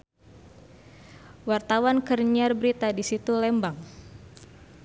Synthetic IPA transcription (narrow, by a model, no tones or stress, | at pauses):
wart̪awankərɲarbəɾit̪adisit̪ulɛmbaŋ